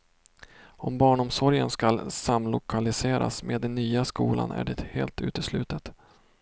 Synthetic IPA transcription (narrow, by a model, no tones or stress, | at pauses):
ɔmbɑːɳʊmsɔɾjənskalsamlʊkʰalɪseːɾʔa̰smʔeːd̪ːɛnːyːaskuːla̰nʔæ̰ɖɛt̪hḛːlt̪ʰʉ̟ːt̪əslʉ̟ːt̪ət̪